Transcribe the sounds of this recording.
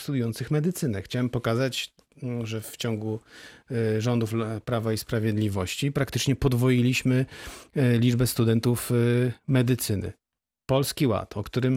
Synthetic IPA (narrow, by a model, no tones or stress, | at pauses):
st̪ud̪ujɔnt̪sɘxmɛd̪ɘt̪sɘnɛxt͡ɕawɛmpɔkazat͡ɕ | ʐɛft͡ɕɔŋɡu | ʐɔnd̪ufpɾavaispɾavʲjɛd̪lʲivɔɕt͡ɕipɾakt̪ɘt͡ʂɲɛpɔd̪vɔjilʲiɕmɘ | lʲid͡ʐbɛst̪ud̪ɛnt̪ufmɛd̪ɘt̪sɘnɘ̰ | pɔlskʲiwa̰t̪ʰɔkt̪uɾɘm